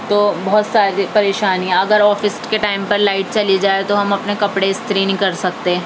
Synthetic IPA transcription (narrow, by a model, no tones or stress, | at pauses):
t̪oːbɔɦɔt̪saːɾipɐɾeːʃaːniɦɛ̃ɐɡəɾɔːfɪskeʈaːɪmpɐɾlaːɪʈ̚t͡ʃɐlid͡ʒaːet̪oɦɐmɐpnekɐpɽeɪst̪ʰɾinikɐɾsɐkt̪eɛ̃ː